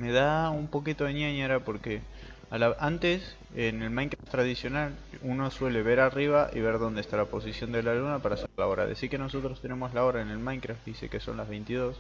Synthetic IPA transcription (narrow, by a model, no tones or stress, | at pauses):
me̞ðaumpo̞kit̪oðenjaɲaɾapo̞ɾke | alaant̪e̞s | ene̞lmãjŋkɾaft̪ɾaðisjo̞naluno̞swe̞le̞βe̞ɾariβ̞aʔḭβe̞ɾðo̞nd̪est̪alapo̞sisjo̞nd̪e̞lalunapaɾaseɾlao̞ɾa̰ðesiɾke̞no̞so̞t̪ɾost̪e̞ne̞mo̞slao̞ɾaene̞lmajŋkɾaftd̪isḛkeso̞̰nlazβe̞jnt̪iðo̞s